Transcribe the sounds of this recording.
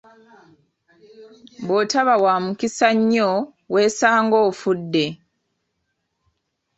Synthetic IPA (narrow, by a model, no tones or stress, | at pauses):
boːtaβawaːmukisaɲːo | we̞ːsaːŋɡo̞ːfudːe̞